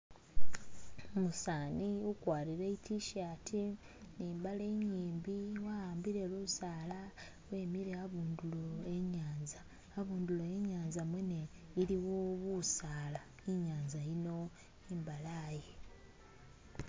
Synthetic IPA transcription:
omusaːniukwaːɾiɾeitʰiʃatʰi | niːmbale̞ɲiːmbiwahaːmbiɾe̞luusaːla | we̞ːmiɾeaβuːnduloeɲaːnzaː | βuːnduloeɲaːnzamweneiliwoβusaːla | iɲaːnzaino̞ | imbalaːje

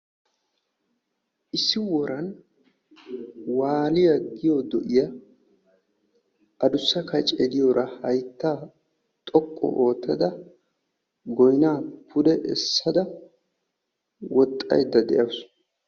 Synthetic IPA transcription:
ʔɪsːɪwɔɾɐn | waːlɪjɐɡɪjod̪ɔʔɪjɐ | ʔɐd̪ʊsːɐkɐt͡ʃʼɛd̪ɪjoːɾɐhɐjt̪ːaː | t̪ʼɔkʼːɔ̰ʔoːt̪ʰːɐd̪ɐ | ɡɔjnaːpʰʊd̪ɛʔɛ̰sːɐd̪ɐ | wɔt̪ʼːɐ̰jd̪ːɐd̪ɛ̰ʔɐws

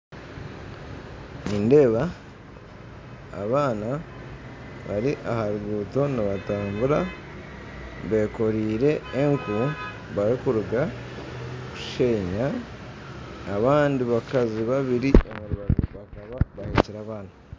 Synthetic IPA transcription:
ninde̞ːβa | βaːna | βaɾiʔahaɾuɡuːto̞naβataːmbuɾa | βe̞ko̞ɾiːɾe̞ːŋku | βaɾikuɾuɡa | kuʃe̞ːɲa | βaːndiβakaziβaβiɾiemuɾuβaɡoβakaβaβaheciɾaβaːna

